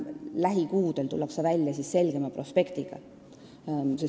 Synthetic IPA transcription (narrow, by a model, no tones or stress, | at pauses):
læɦikuːd̪e̞lt̪ṵlːɑksevælʲːjɑsisːe̞lɡ̥e̞mɑpro̞spe̞kt̪iɡ̥ɑ̰ | ses